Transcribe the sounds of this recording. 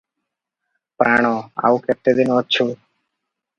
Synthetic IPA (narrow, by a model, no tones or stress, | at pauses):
pɾaːɳ̃oːa̰ːuket̪ːed̪ɪnotːt͡ʃʰuː